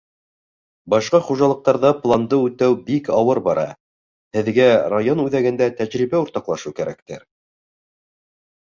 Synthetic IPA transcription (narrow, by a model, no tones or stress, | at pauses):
bɑʃqɑχuʒɑlˠɤ̆q̚t̪ɑɾðɑplˠɑnd̪ɤʉt̪æwbikɑwɤɾbɑɾʔɑ̰ | hɘ̆ðɡærajonʉðæɡɘ̆nd̪æt̪æʑɾibæuɾt̪ɑqlˠɑʃɤwkæɾæk̚t̪ɘ̰ɾ